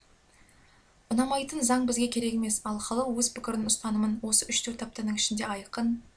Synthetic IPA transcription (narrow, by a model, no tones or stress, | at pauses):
ʊnɑmɑjt̪ənzɑɴbɪzɡʲe̞kʲʰe̞ɾe̞kʲe̞me̞sɑlˠχɑlˠɑwwɵzpʰʏkʲɪɾɪnʊst̪ɑnəmənwo̞səʔʏʃt̪et̪ʰɑp̚t̪ɑnəɴɪʃɪnd̪e̞ɑjqən